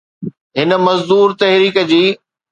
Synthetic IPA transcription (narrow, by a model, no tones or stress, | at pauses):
ɦɪnə̆mɐzd̪uːɾt̪ɐɦɾiːkə̆d͡ʑiː